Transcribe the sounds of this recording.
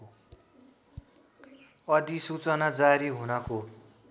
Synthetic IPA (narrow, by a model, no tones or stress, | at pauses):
ʌd̪isut͡sʌnad͡zaɾiɦunʌko